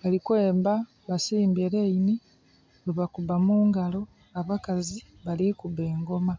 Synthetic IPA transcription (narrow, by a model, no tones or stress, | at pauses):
βalikweːmba | βasiːmbeɾeini | weβakuβamuːŋɡalo̞ | aβakazi | βalikuβeːŋɡo̞ma